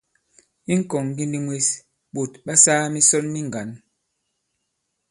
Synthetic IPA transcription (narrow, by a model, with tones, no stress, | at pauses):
i˦ŋ̩˦kɔ˨ŋ˨ɡi˦ndi˦ŋwe˦s | ɓo˨tɓa˦saː˦mi˦sɔ˦nmi˦ŋ˨ɡa˨n